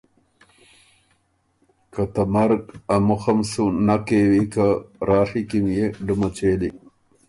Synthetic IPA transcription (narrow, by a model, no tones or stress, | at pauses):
kat̪amaɾɡamuxamsunakewikaɾɑːʂikimjeɖumat͡ɕeːli